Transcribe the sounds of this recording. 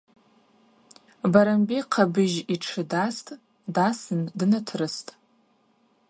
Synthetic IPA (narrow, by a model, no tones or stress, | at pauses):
baɾambiqʰabɨʒiʈ͡ʂʰɨdastʼ | dasɨndɨnatʰrɨstʼ